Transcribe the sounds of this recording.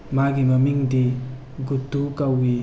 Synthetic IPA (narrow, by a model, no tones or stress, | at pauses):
maɡiməmiŋdi | ɡut̪ːukawi